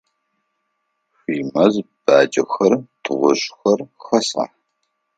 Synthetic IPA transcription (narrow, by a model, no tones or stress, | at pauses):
ɕʷiːmɐzb̥aːd͡ʒʼɐxɐrtʰɨʁʷʊɕxɐrxɐsa̰